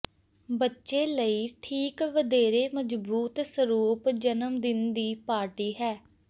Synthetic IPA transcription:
bətːʃeːləiːʈʰiːkʋəd̪eːɾeːməd͡ʒbuːt̪səɾuːpd͡ʒənəmd̪ɪnd̪iːpaːɾʈiːɦɛː

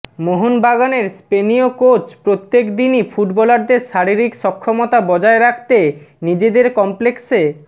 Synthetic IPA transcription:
moɦonbaɡaneɾspenijokot͡ɕpɾot̪ːekd̪inifʰuʈbɔlaɾd̪eɾʃaɾiɾikʃɔkʰːomot̪abɔd͡ʑaeɾakʰt̪enid͡ʑed̪eɾkɔmplekse

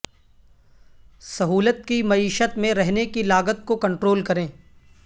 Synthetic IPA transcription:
sɐɦuːlət̪̚kimɐiːʃət̪mẽɾɛɦnekilaːɡət̪̚kokɐ̃ɳʈɾoːlkɐɾẽː

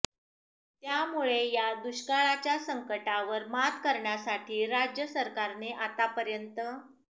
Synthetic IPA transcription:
t̪jamuɭejad̪uɕkaɭat͡ɕjasəŋkəʈaʋəɾmat̪kəɾɳjasaʈʰiːɾad͡ʑjəsəɾkaɾneʔat̪apəɾjənt̪ə

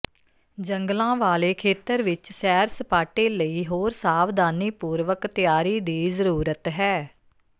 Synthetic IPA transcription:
d͡ʒəŋɡlãːʋaːleːkʰeːt̪əɾʋɪt͡ʃsɛːɾsəpaːʈeːləiːɦoːɾsaːʋd̪aːniːpuːɾʋəkt̪ɪjaːɾiːd̪iːzəɾuːɾət̪ɦɛː

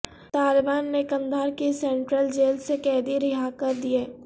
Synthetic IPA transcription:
t̪aːlɪbaːnːekɐ̃nd̪ʱaːɾkisɛ̃ːɳʈɾəld͡ʒeːlsekɛːd̪iɾɪɦakəɾd̪ieː

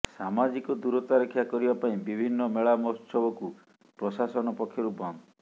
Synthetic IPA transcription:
samad͡ʒikɔd̪uɾɔt̪aɾekʰjakɔɾibapaĩbibʱinːɔmeɭamɔst͡ʃʰɔbɔku | pɾɔsasɔnɔpɔkʰːjɔɾubɔnd̪ɔ

